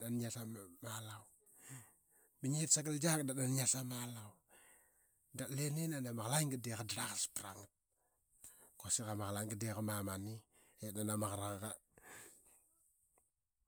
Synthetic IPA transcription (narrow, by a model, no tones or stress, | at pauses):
anɲasamalaw | biɲetsaɡəld͡ʒak̚daɗanɲasamalaw | dalenenanamaxlaŋɡədekadɾakspɾaŋt̚ | kosikamaxlaŋɡədekamamani | enanamakɾaŋka